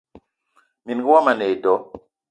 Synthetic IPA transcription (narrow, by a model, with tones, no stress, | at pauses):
mi˨nɡi˦wa˦ma˨ne˨dɔ˨˦